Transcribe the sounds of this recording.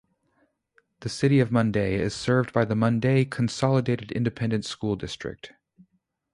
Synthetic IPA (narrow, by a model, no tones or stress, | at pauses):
ðɨsɪɾiʌvmʌ̃ndeɪɪ̰z̥sɜ˞vdbaɪðəmʌ̃ndeɪkʰn̩sɑlˠədeɪɾɨɾɪ̰̃ndɨpʰɛ̃ndɨ̃ntskulˠdɪstɹ̥ɨ̰k̚t